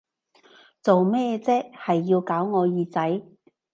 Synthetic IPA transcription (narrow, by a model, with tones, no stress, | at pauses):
t͡so˨wmɛː˥t͡sɛː˥k̚hɐ˨jːiː˧wkaː˨˥wŋɔː˨˧jiː˨˧t͡sɐ˨˥j